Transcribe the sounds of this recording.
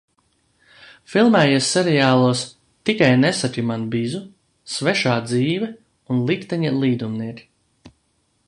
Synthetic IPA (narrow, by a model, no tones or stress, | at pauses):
filˠmɛːjuːsːɛɾijaːlˠuɔs | t̪ikajnesat̪ʲimanbizu | svɛʃaːd̪ziːvɛ | unlˠikt̪ɛɲilˠiːd̪umniɛkʲi̥